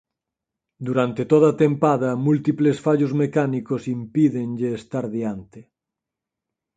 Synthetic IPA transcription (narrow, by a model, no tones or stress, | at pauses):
d̪uɾant̪et̪oðɐat̪empað̞ɐmult̪iplesfaʎozmekanikosimpiðenʎɪːst̪aɾðiant̪e